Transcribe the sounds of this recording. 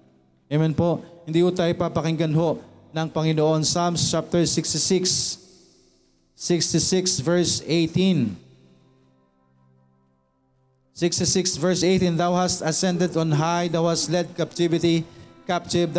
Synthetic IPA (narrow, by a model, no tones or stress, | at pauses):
ɛmɛnpoʔhɪnd̪iːhʊt̪aːjopapɐkɪŋɡɐnɦo̞ʔ | nɐŋpɐŋɪnoʔo̞nsamst͡ʃap̚t̪ɛɹsɪkst̪ɪsɪks | ɪkst̪ɪsɪksvɛɹsejt̪in | sɪkst̪ɪsɪksvɛɹsʔejt̪ĩnd̪awhast̪ɐsɛnd̪ɛd̪ɔnɦajd̪awhast̪lɛd̪̚kap̚t̪ɪvɪt̪ikap̚t̪ɪvd̪